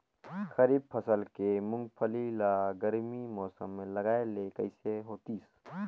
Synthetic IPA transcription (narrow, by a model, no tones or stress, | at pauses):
xɐɾiːb̚pʰɐsəlkemʊ̃ŋɡ̚pʰəlilaɡɐɾmimɔːsə̰mːẽlɐɡaːelekɐ̰ɪseɦoːt̪iːs